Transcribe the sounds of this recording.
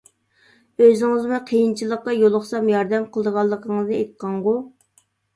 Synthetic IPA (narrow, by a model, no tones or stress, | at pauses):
øzɪŋɨzmuqʰejint͡ʃʰilˠəqːɑjolˠʊχsɑmjɑɾd̪ɛmqʰəlˠəd̪əʁɑlˠːəqʰəŋɨzɨet̪̚qʰɑɴʁu